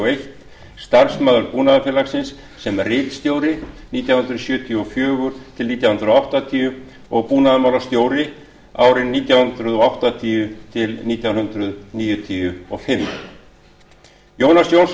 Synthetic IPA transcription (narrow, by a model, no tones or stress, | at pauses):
ejht̪ | st̪aɾ̥smaːðʏɾpuːnaðafɪlaksɪnsː | ɛmrɪːt̪st̪jowɾɪniːt̪jawhʏnd̪ɾʏðsjʏːt̪ʰjʏɔfjœːɣʏɾ̥t̪ʰɪlniːt̪jawhʏnd̪ɾʏðɔawht̪at̪ʰiʏ | ɔɣpuːnaðʏmawlast̪joːwɾɪ | a̰ːwɾɪnːiːt̪jawhʏnt̪ɾʏðɔawht̪at̪ʰiʏt̪ʰɪlniːt̪jawnhʏnd̪ɾʏðniːjʏt̪ʰiʏɔfɪm | joːwnasjoːwns